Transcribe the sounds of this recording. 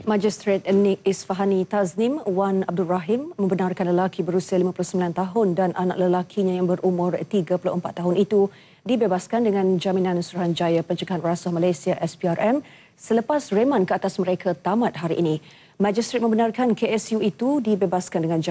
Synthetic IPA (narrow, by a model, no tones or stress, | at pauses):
mãd͡ʒist̪ɾet̪̚nik̚isfaɦanit̪asnimwanab̚duraɦimːəmbənarkanləlakʰibəɾusialimãpulʊsəmbilant̪aɦʊndanʔana̰ʔ̚ləlakʰiɲãjaŋbəɾumʊ̃rt̪iɡapulʊ̰ʔəmpat̪ːaɦʊnit̪u | dibebaskandəŋãnd͡ʒaminãnsuɾuɦand͡ʒajapəɲt͡ʃəɡaɦanrasahmalajsiaʔɛspiarʔɛm | sələpasremãnkəat̪asməɾekʰat̪amãt̪̚ɦaɾḭʔːnĩ | mãd͡ʒist̪ɾet̪̚mə̃mbənarkankeɛsjuit̪udibebaskandəŋãnd͡ʒa